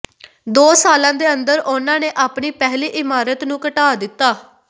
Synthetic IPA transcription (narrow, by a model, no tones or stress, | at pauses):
d̪oːsaːlãːd̪eːə̃nd̪əɾʊnãːneːʔaːpɳiːpɛɦliːʔɪmaːɾət̪nũːkəʈaːd̪ɪt̪ːaː